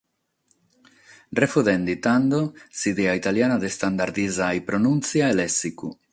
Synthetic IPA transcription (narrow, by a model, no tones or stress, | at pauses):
refuðend̪it̪and̪osid̪eait̪aljanad̪est̪and̪aɾd̪izajpɾonunt̪t͡siaelesiku